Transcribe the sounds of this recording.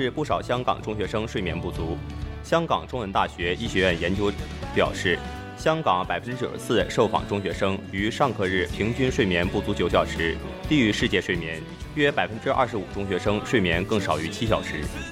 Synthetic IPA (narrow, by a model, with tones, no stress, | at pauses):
ʂɻ̩˥˧pu˥˩ʂɑ˨˩ʊɕjɑ˥ŋkɑ̰˨˩ŋʈ͡ʂʊ˥ŋɕɥɛ˧˥ʂɤ˥ŋʂwe˥˩ɪmjɛ˧˥npu˥˩t͡su˧˥ɕjɑ˥ŋkɑ˨˩ŋʈ͡ʂʊ˥ŋwə˧˥nt̪a˥˩ɕɥɛ˧˥i˥˩ɕɥɛ˧˥ɥɛ˥˩njɛ˧˥nt͡ɕjo˥ʊ | pjɑ̰˨˩ʊʂɻ̩˥˩ | ɕjɑ˥ŋkɑ˧˥ŋpa˨˩ɪfə˥nʈ͡ʂɻ̩˥t͡ɕjo̰˨˩ʂsɹ̩˥˩ʂo˥˩ʊfɑ̰˨˩ŋʈ͡ʂʊ˥ŋɕɥɛ˧˥ʂɤ˥ŋy˧˥ʂɑ˥˧ŋkʰɤ˥˧ɻɻ̩˥˩pʰi˧˥ŋt͡ɕy˥nʂwe˥˩mjɛ˧˥npu˥˩t͡su˧˥t͡ɕjo˨˧˥ʊɕjɑ˨˩ʊʂɻ̩˧˥t̪i˥˩y˧˥ʂɻ̩˥˧t͡ɕjɛ˥˧ʂwe˥˩ɪmjɛ˧˥n | ɥɛ˥pa˨˩ɪfə˥nʈ͡ʂɻ̩˥ʔɐ̰˥˩ʂɻ̩˧˥u˨˩ʈ͡ʂʊ˥ŋɕɥɛ˧˥ʂɤ˥ŋʂwe˥˩ɪmjɛ˧˥nkɤ˥˩ŋʂɑ˨˩ʊy˧˥t͡ɕʰi˥ɕjɑ˨˩ʊʂɻ̩˧˥